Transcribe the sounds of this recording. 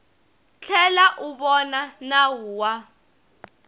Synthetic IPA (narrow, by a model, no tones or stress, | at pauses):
t͡ɬʰɛlaʔuɓɔnanawuːwa